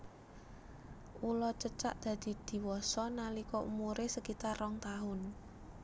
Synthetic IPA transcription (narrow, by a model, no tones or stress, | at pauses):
ulɔt͡ʃət͡ʃa̰ʔd̪̥ä̤d̪̥i̤d̪̥i̤wɔsɔnalikɔʔṵmuɾesəkit̪arɔŋt̪aɦʊn